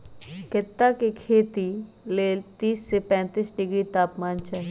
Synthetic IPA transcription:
kɪt̪ːakekʰeːt̪i | leːlt̪iːsːepɛ̃ːt̪iːsɖɪɡɾit̪aːpmaːnt͡ʃaːɦi

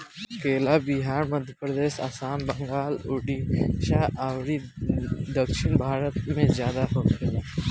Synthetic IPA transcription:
keːlaːbiɦaːɾmɐd̪ʱjəpɾəd̪eːʃa̰ːsaːnbɐŋɡaːlʊɖiʃaːawɾi | d̪əkʃɪnbʱaːɾət̪mẽzjaːd̪aɦoːtʰɐe

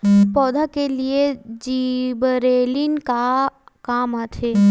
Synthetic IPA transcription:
pɔːd̪ʱakelied͡ʒibəɾeːlɪnkakaːmat̪ʰeː

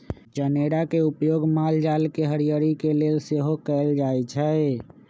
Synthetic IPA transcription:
d͡ʒəneɾakeupjoɡmald͡ʒalkeɦəɾijəɾikelelseɦokɛɪld͡ʒaɛt͡ʃʰɛ

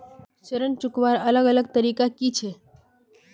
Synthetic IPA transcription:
ʃəɾənt͡ʃʊkʋaɾələɡələɡ̚t̪əɾikakit͡ʃʰe

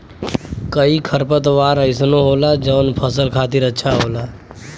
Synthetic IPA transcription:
kəikʰəɾpət̪ʋaːɾəɪsnoɦoːlad͡ʒəːnpʰəsəlkʰaːt̪ɪɾətːʃʰaɦoːlaː

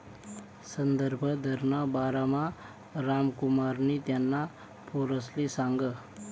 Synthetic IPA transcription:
sənd̪əɾbʱəd̪ʱəɾnabaːɾamã | ɾaːmkumaɾnit̪janːa | pʰoɾəslisaŋɡə

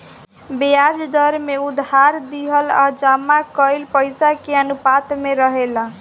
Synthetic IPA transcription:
bejad͡ʒd̪əɾmeud̪ɦaɾd̪iɦəla̰d͡ʒamːakəɪlpəjsakeənupat̪meɾəɦela

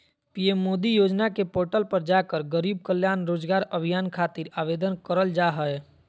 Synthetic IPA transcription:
pijemːoːd̪ijoːd͡ʒnakepoːɾʈəlpəɾd͡ʒakəɾɡəɾib̚kəljaːnɾoːd͡ʒɡaːɾəbʱijaːnkʰat̪iɾaʋed̪ənkəɾəld͡ʒaɦəɛ

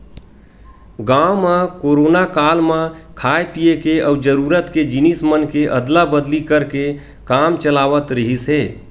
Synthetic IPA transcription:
ɡamakoɾonakalmãkʰaepijekeʔəud͡ʒəɾuɾət̪ked͡ʒinismənkeʔəd̪labəd̪likəɾke | kamt͡ʃəlaʋət̪ɾəɦisɦe

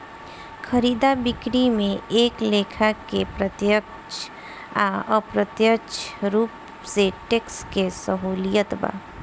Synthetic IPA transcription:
xʰɐɾiːd̪abɪkɾimẽeːkleːkʰakepɾət̪jək | t͡ʃ | aəpɾət̪jəkt͡ʃɾuːp | seʈeːkskesəɦuːlijət̪ba̰ː

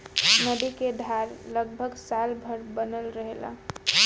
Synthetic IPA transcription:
nəd̪iked̪ʱaɾləɡ̚bʱəɡsalbʱəɾbənəlɾəɦela̰

